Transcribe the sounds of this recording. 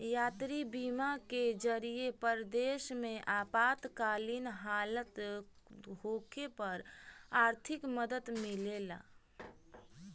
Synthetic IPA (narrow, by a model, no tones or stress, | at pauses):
jaːt̪ɾibiːmaked͡ʒəɾiepəɾd̪eːʃmẽʔaːpaːt̪kaːlinɦaːlət̪ | ɦoːkepəɾaːɾt̪ʰɪkməd̪əd̪mɪleːla̰ː